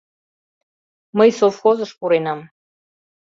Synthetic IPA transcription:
məjsofxozəʃpuɾenɑm

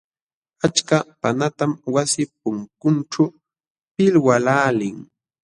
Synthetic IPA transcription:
at͡ʃkapanat̪amwasɪp̚ʊŋkʊnʈ͡ʂa | pɪlwalaːlɪŋ

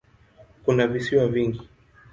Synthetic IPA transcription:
kunavisiwaviŋɡi

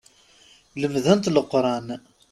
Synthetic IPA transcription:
ləmðənt̪ləqːɾˤɑn

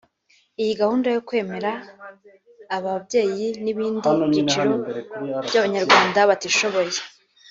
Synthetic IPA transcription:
ijiɡahuːndajokwe̞ːme̞ɾa | βabɟe̞ːjiniβiːndimuβɟit͡ʃiɾobjaβaɲaɾɡwaːndaβatiʃo̞βo̞je

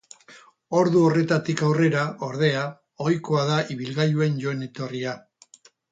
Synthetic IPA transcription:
o̞ɾðuo̞re̞t̪at̪ikawre̞ɾaʔo̞ɾðe̞a | ojko̞aðaʔiβilɣajue̞nʝo̞ene̞t̪o̞ria

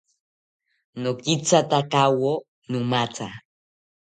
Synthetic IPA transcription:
nokit͡sat̪akawo | numat͡sa

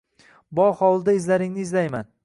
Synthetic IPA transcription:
bɒhɒlˠd̪aɪzlaɾɪŋnɪːzlajma̰n

